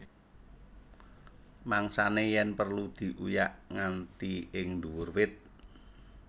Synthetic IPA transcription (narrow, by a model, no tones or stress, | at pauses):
maŋsanejɛnpərlud̪̥i̤ʔujaʔŋant̪iɪŋd̪uwʊrwɪt̪̚